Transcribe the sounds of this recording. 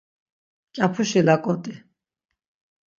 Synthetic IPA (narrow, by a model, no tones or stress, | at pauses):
t͡ʃʼapʰuʃilakʼɔt̪ʼi